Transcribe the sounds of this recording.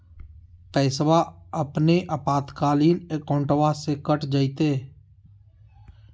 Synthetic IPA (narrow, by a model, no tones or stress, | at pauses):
pɛːsʋaːəpneːʔəpaːt̪kaːliːnekõːɳʈʋaːseːkəʈd͡ʒəit̪eː